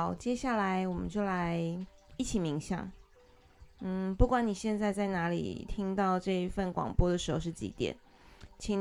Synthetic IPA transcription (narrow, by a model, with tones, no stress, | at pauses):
ʊt͡ɕjɛ˥ɕja˥˩la˧˥ɪwɔ˨˩mə̰˦nt͡ɕjo˥˩ʊla˧˥˦ɪ | i˥˩t͡ɕʰi˨˩mi˧˥ŋɕjɑ̰˨˩˦ŋ | n̩˥˩pu˥˩kwa˨˦ni˨˩ɕjɛ˥˧nt͡sa˥˧ɪt͡sa˥˩ɪna˧˥lḭ˨˩t̪ʰi˥ŋt̪ɑ˥˧ʊʈ͡ʂɤ˥˧i˧˥fə˥˩nkwɑ̰˨˩ŋpwɔ˥d̪ə˩ʂɻ̩˧˥xo˧ʊʂɻ̩˥˩t͡ɕḭ˧˥t̪jɛ̰˨˩˦n | t͡ɕʰi˧˩˦ŋ